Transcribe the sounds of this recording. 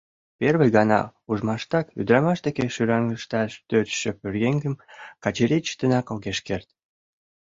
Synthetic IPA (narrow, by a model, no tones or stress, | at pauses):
perβəjɣɑnɑ̰uʒmɑʃt̪ɑky̰d̪ɾɑmɑʃd̪ekeʃyɾɑŋɡəʃt̪ɑʃt̪øɾʃəpyrɣeŋɡə̆mkɑt͡ɕeɾʲit͡ɕt̪ənɑkoɣeʃkert̪̚